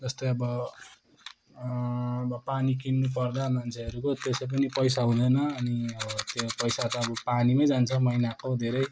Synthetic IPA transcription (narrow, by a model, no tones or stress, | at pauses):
d͡zʌst̪ojʌbʌ | ʌbʌpanikinːup̬ʌrd̪amant͡sʰeʌɾukot̪esep̬ʌnipʌjsaɦũd̪ʌjnʌʌniʌʌt̪opʌjsat̪ʌʌbʌpanimʌjd͡zant͡sʰʌmʌinakod̪ʱeɾʌj